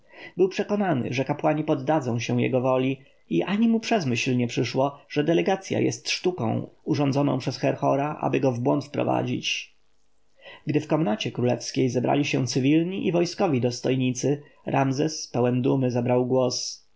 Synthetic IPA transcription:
bɘwpʂɛkɔnanɘ̰ʐɛkapwaɲipɔd̪ːad̪zɔ̃w̃ɕɛw̃jɛ̰ɡɔvɔlʲi | iʔaɲimupʂɛzmɘɕlɲɛpʂɘʂwɔʐ̥ɛd̪ɛlɛɡat̪sʲja̰jɛ̰st̪ʂt̪ukɔ̰̃w̃uʐɔnd̪zɔnɔ̃pʂɛsxɛɾxɔɾaʔa̰bɘɡɔvbwɔnt̪fpɾɔ̰va̰d͡ʑḭt͡ɕ | ɡd̪ɘfkɔmnat͡ɕɛkɾulɛ̰fskʲejzɛbɾa̰lʲiɕɛw̃t̪sɘvʲilɲiʔivɔjskɔvʲid̪ɔst̪ɔjɲit̪sɘ | ɾʔamzɛspɛwɛnd̪umɘzabɾawɡwɔs

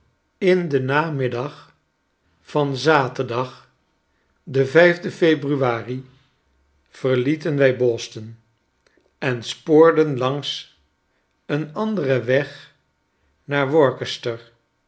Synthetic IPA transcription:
ɪndənaːmɪdɑχ | fɑnzaːtəɹdɑχ | dəvɛjvdəfejbryʋaːri | v̥əɹlitənʋɛjbɔstən | ɛnspoːɹdənlɑŋs | ənɑndərəʋɛχ | naːɹʋɔɹkəstəɹ

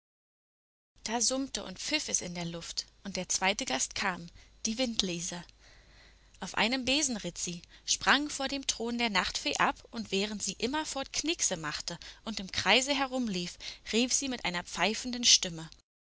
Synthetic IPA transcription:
d̥aːzʊmtəʔʊ̰ntp͡fɪfɛsɪ̰ndeːɐlʊftʔʊnt̚d̥eːɐt͡sv̥aɪtəɡastkʰaːmd̥iːvɪntleːzɐ | ʔaʊfʔa̰ɪnəmbeːzn̩ʁɪtz̥iːʃpʁ̥aŋfoːɐdeːmtʁ̥oːndeːɐnaχtfeːʔapʔʊntv̥ɛːʁ̞əntz̥iːʔɪmɐfɔɐtkʰnɪksəmaχtəʔʊntɪmkʁ̥aɪzəɦɛɐʁʊmliːfʁiːfz̥iːmɪtʔaɪnɐp͡faɪfn̩dnʃtɪmə

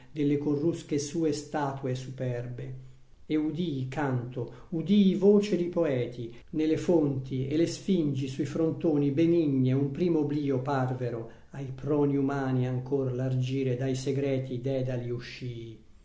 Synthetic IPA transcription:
d̪elːekorːuskesuːest̪aːt̪uesupɛrbe | eud̪ikant̪o | ud̪ivoːt͡ʃed̪ipoɛːt̪ʰi | nelefont̪ielesfind͡ʒisuifɾont̪oːnibeniɲːeumpɾiːmobliːoparveɾo | ajpɾɔːniumaːniaŋkorlard͡ʒiːɾed̪ajseɡɾɛːt̪id̪ɛːd̪aliuʃːiː

